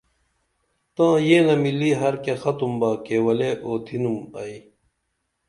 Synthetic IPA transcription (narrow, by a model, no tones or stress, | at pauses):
t̪ãːjeːnɐmilːiɦɐɾkexɐt̪umbaːkewɐleʔoːt̪ʰinumɐi